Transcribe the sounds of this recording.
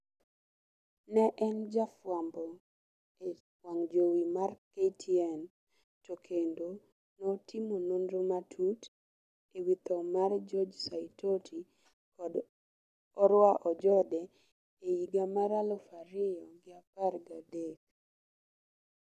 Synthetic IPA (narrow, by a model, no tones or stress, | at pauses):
nɛʔɛnd͡ʒafwambɔ | e | waŋd͡ʒowimarketʰiɛn | tokʰendo | nɔtʰɪmonondɾomatʰut | ewit̪ɔmard͡ʒɔd͡ʒsaitʰotʰi | kɔd | ɔɾwaʔɔd͡ʒɔdɛ | ejiɡamaɾalɔfaɾɪɔɡɪaparɡadek̚